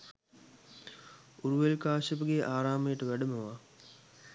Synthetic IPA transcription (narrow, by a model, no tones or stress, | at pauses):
uɾuʋelkaːʃəpəɡeːʔaːɾaːmejːʈəʋæɖəməʋa